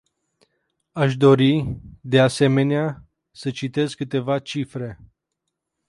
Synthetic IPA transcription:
aʃd̪o̞ɾid̪ease̞me̞nea | sət͡ʃit̪e̞zkɨt̪e̞vat͡ʃifɾe̞

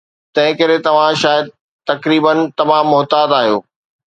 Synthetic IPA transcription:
t̪ɐ̃ɦɪ̃kɐɾet̪ɐʋ̤ãʃaːjəd̪̚ | t̪ɐkɾiːbənt̪ɐmãːmːʊɦt̪aːd̪aːɦijo̰ː

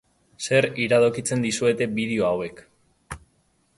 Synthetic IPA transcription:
se̞ɾiɾaðokit͡se̞nd̪isue̞t̪e̞biðeo̞awe̞k

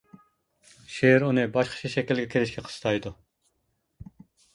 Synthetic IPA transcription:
ʃeɾunɨbɑʃqʰə̥t͡ʃʰɑʃɛkʲilɡʲɛkʲʰelɪʃkʲʰɛqʰə̥sɨ̥t̪ʰɑjd̪u

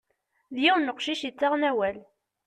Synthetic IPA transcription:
ðjæwnːəqʃiʃit͡sːaʁnæwæl

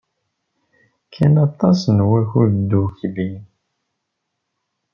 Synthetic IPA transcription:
kʰːænɑt̪ˤːɑsnwæçud̪uçli

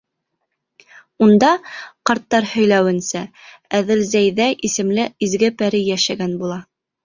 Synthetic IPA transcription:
und̪ɑqɑɾt̪ːɑɾhɵ̆jlæwɘ̆nsææðɘlzæjðæʔisɘ̆mlɘizɡɘpæɾɘjæʃæɡænbulˠɑ

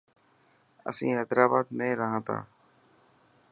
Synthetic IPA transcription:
ə̰sĩːeːt̪ɾaːbaːd̪mẽːɾəɦãːt̪ʰã̰ː

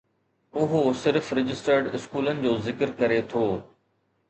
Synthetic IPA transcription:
ʊɦosɪɾfɾɪd͡ʑɪsʈəɾɖɪskuːlənɪ̆d͡ʑoːzɪkəɾkɐɾet̪ʰoː

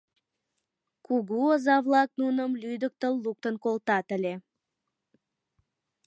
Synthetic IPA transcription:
kuɡuəzɑvlˠɑk̚nunəmlyjd̪ək̚t̪ə̆lˠːuk̚t̪ənkolt̪ɑt̪ə̆lʲe

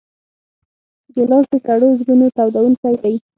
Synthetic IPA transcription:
d̪əlɑst̪əsaɽozɡunot̪awd̪awunkawdaji

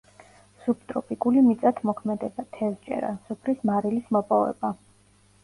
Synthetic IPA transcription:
sup̚ʰt̪ʼɾɔpʼikʼulimit̪sʼat̪ʰmɔkʰmɛd̪ɛbat̪ʰɛst͡ʃʼɛ̰ɾa̰supʰɾismaɾilismɔpʼɔvɛ̰ba

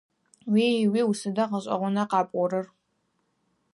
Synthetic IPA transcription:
wiːwiːwʊsɨdɐqəɕʼɐ̰ʁʷʊnɐqɑːpʼʷɔɾɨr

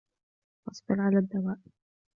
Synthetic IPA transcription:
ʔɑsˤbɨɾʕalaːd̪ːawaːʔ

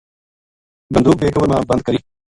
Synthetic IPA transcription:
bənd̪uːkeːkəbəɾmãːbənd̪̚kəɾiː

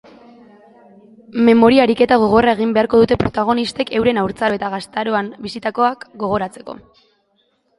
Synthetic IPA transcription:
me̞mo̞ɾiaɾike̞t̪aɣ̞o̞ɣ̞o̞rae̞ɣ̞imbeaɾko̞ð̞ut̪e̞pɾo̞t̪aɣ̞o̞nist̪e̞ke̞wɾe̞nawɾt͡sae̞t̪aɣast̪aɾo̞ambisit̪ako̞akɡo̞ɣ̞o̞ɾat͡se̞ko̞̰

